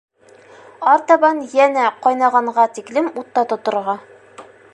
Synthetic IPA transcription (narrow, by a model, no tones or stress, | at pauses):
ɑɾt̪ɑbɑnjænæqɒjnɑʁɑɴʁɑt̪iklɘmut̪ːɑt̪ŏt̪ŏɾʁɑ